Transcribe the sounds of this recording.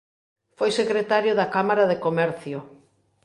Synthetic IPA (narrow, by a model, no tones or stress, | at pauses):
fojsekɾet̪aɾjʊðakamaɾaðekomɛɾθjʊ